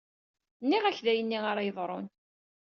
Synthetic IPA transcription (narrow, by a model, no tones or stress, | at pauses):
nːiʁæçðæjənːiaɾajəðˤɾˤon